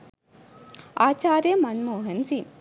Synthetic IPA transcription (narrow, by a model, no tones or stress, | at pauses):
aːt͡ʃaːɾjɐmɐnmoːɦɐnsi